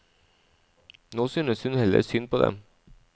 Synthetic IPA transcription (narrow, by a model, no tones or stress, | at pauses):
noːsynəshʉnhɛlə̰ɾsynpʰoːd̪ɛ̰m